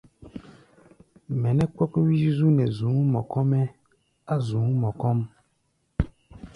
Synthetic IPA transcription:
mɛ̃˨nɛ˦k͡pɔ˦kɔ˦wi˦ʃi˦zu˦nɛ̃˨zũ˨˦mɔ̃˨kɔ˦mɛ˦ | a˦zũ˨˦mɔ̃˨kɔ˦m

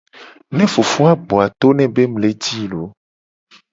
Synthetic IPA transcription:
nɛ̃˦fo˨fu˦a˦ɡ͡bo˨a˨t̪o˦nɛ̃˨be˦mle˦d͡ʑi˦lo˨˦

